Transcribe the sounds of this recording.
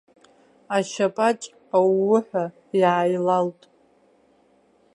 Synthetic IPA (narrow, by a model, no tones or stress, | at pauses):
aʃapʼat͡ʃʼ | awːʊħʷᶣa | jaːjlaltʼ